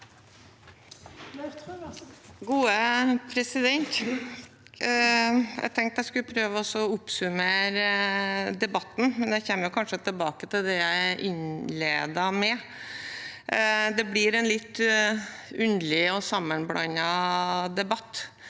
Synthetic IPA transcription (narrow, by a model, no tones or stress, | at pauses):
ɡuːəpʰɾɛsɪd̪ɛnt̪ | æ̰ɡt̪ʰɛŋk̚t̪æɪskʉlpʰɾøːʋəɔsɔʊpsʉmeːɾ | d̪ɛbɑt̪ːn̩mɛnd̪ɛçɛmːəjʊkʰɑnʂət̪ʰɪlbɑːkət̪ʰɪld̪ɛjæɪʔɪnleːd̪ɑmɛ | d̪ɛblɪɾɛnlɪt̪ː | ʉnd̪lɪɔsɑmːənblɑ̰nɑd̪ɛbɑt̪ː